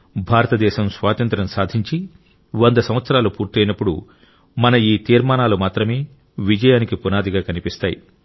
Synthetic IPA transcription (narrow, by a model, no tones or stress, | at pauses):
bʱaːɾɐt̪ɐd̪ɛːʃɐmsʋaːt̪ɐnt̪ɾɐmsaːd̪ʱiɲt͡ʃi | ʋɐnd̪ɐsɐmʋɐt̪sɐɾaːlupuːɾt̪ɛjnɐpːuɽṵ | mɐnɐiːt̪iːɾmaːnaːlumaːt̪ɾɐme̞ː | ʋid͡ʒɐjaːnikipunaːd̪iɡaːkɐnipist̪aːjḭ